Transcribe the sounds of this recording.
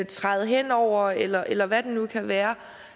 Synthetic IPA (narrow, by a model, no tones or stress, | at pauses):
t͡sʰʁɑ̈ɪð̞̩ˠɦen̰ɒʊ̰ɐelɐʔelɐʋæd̥enukʰæʋæːɐ